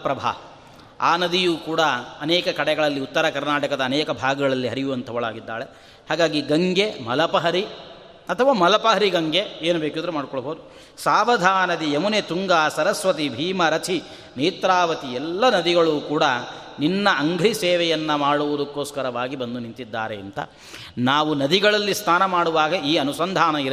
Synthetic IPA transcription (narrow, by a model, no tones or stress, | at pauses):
pɾɐbʱa̰ | aːnɐd̪ijuːkuːɽɐɐnɛːkɐkɐɽɛɡɐɭɐlːiut̪ːɐɾɐkɐɾnaːʈɐkɐd̪ɐːnɛːkɐbʱaːɡɐɡɐɭɐlːiɦɐɾijuɐnt̪ʰɐʋɐɭa̰ːɡid̪ːa̰ːɭe | haːɡaːɡiɡɐŋɡemɐlɐpɐɦɐɾi | ɐt̪ʰɐʋaːmɐlɐpɐɦɐɾiɡɐŋɡeeːnubeːkud̪ɐɾumaːɖkɔɭɐbʱoːd̪u | saːʋɐd̪ʱaːnɐd̪iemunet̪uŋɡaːsɐɾɐsʋɐt̪̬ibʱiːmɐɾɐt̪ʰi | niːt̪ɾaːʋɐt̪iɛlːɐnɐd̪iɡɐɭuːkuːɽɐ | ninːɐʔːŋɡʱɾisɛːʋɛjɐnːɐmaːɽuʋɐd̪ukːoːskɐɾɐʋaːɡibɐnd̪unint̪id̪ːa̰ːɾeɐ̰nt̪ɐ̰ | naːʋunɐd̪iɡɐɭɐlːist̪ʰaːnɐmaːɽuʋaːɡɐiːɐnusɐnd̪ʱaːnɐiɾ